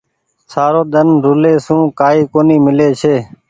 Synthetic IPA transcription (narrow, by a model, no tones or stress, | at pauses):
saːɾoːɗ̪ənɾʊleːsũːkaːiːkoːniːmɪleːt͡ʃʰeː